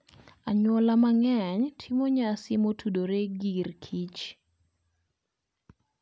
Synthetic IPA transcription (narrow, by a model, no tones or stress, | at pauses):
aɲwɔlamaŋɛɲtʰimoɲasɪmotʰudoɾeɡirkʰit͡ʃ